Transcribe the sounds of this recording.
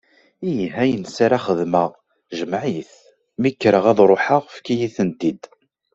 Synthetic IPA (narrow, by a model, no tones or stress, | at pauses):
ijɦæjənsaɾaχəðməʁ | ʒəmʕiθ | mikːɾəʁæðˤɾˤoħaʁfkijiθənt̪id̪